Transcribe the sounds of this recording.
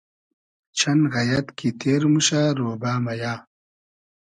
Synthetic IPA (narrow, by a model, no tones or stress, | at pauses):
t͡ɕʰɐnɣɐjɐt̪kit̪eːɾmuɕaːɾoːbaːmɐjaː